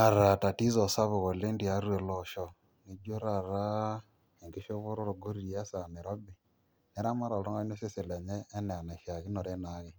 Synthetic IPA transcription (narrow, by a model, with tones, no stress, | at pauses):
a˨ɾa˨ta˨ti˦zɔ˨sa˦βo˨ɣo˨le˦ndi˨a˦ɾu˦e˨lɔ˨ʃɔ˨ | ne˦d͡ʒo˦ɾa˨ɾa˦ | e˨ŋɡe˦ʃo˦βo˦ɾo˦ɾo˨ɡo˦ɾi˨ja˦sa˨ne˨ɾɔ˦bi˨ | ne˦ɾa˦ma˦ɾɔ˨lo˦ŋɡa˦o˦se˦se˨le˨ɲɛː˦nɛ˨a˨na˨ʃa˨ɣi˦no˨ɾe˦na˨˦ɣe˦